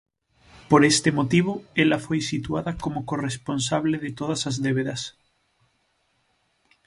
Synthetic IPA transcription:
poɾest̪emot̪iβ̞oelafojsit̪uaðakomokoresponsaβ̞leðet̪oð̞asazðeβeðas

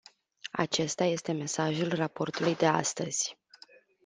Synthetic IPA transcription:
a̰t͡ʃe̞st̪aje̞st̪e̞me̞saʒulrapo̞rt̪ulujd̪e̞a̰st̪əz̥ʲ

